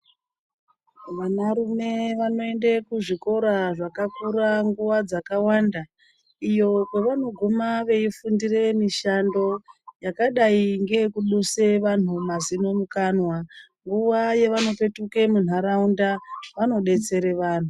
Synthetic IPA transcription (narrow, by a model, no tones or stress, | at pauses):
ʋanaɾume̞ʋano̞e̞nde̞kuʐiko̞ɾaʐakakuɾaŋɡuʋad͡zakawanda | ijo̞kwe̞ʋano̞ɡʱumaʋe̞ifundire̞miʃando̞jakaɗaiŋɡe̞kuɗuse̞ʋan̤umazino̞mukanwa | ŋɡuʋaje̞ʋano̞pe̞tuke̞mun̤aɾaundaʋano̞ɗe̞t͡se̞ɾe̞ʋaːn̤u